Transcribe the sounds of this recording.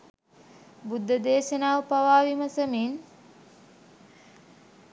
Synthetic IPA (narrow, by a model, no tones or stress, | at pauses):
bud̪ːəd̪eːʃənaːʋəpaʋaːʋimɐsəmin